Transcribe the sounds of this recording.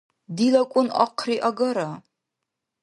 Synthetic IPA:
diːlɐkʷʼʊnɐ̰qʰriːʔɐɡɐɾɐ

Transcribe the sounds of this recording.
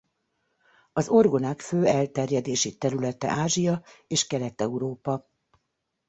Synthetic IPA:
ɒzo̞rɡo̞naːkføːɛlt̪ɛrjɛd̪eːʃit̪ɛɾylɛt̪ɛ̰ʔaːʒijɒeːʃkɛlɛt̪ɛuɾoːpɒ

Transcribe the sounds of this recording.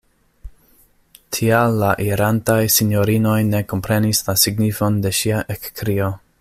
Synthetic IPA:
tʰialːaʔiɾantajsinjoɾino̞jne̞ko̞mpɾe̞nislasiɡnifo̞nde̞ʃiaʔekːɾio̞

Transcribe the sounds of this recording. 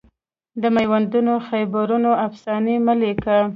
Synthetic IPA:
d̪əmajwand̪unoxajbaɾunoafsɑniməleka

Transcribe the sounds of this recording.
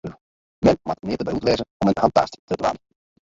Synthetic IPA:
mɛnmatnɪːtəbɛjutʋɛjzənɔmənhɑnt̚a̰ːsttəbla̰ːnə

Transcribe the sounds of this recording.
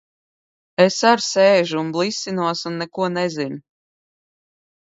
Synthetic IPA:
esaɾseːʒuunblˠisʲːinuɔsunːɛkuɔnɛzin

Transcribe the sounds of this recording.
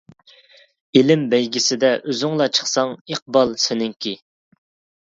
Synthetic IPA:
ilɪmbɛjɡʲisɪd̪ɛʔøzyŋlˠɑt͡ʃʰə̥χsɑŋiq̚bɑlˠsɪnɪŋkʲʰi

